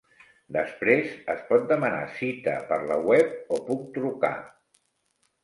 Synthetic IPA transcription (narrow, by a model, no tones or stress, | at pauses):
d̪əspɾezəspɔt̪̚d̪əməna̰sit̪ə̰pəɾləwɛp̚opuk̚t̪ɾuka̰